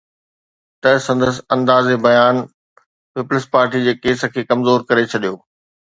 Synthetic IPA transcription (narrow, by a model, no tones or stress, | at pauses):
t̪ɐsɐ̃nd̪əs̆ɐ̃nd̪aːzebɐjaːn | pɪpləspaːɾʈid͡ʑeːkeːsə̆kʰeːkɐmzoːɾkɐɾet͡ɕʰɐɗijoː